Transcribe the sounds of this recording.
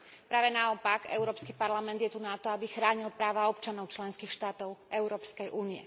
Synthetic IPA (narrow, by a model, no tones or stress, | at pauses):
pɾaːʋɛnaɔpakɛ̰ʊɾɔːpskipaɾlamɛnd̪jɛt̪unat̪ɔabixɾaːɲilpɾaːʋaɔpt͡ʃanɔʊt͡ʃlɛnskiːxʃt̪aːt̪ɔʊɛʊɾɔːpskɛjʔuːniɛ̰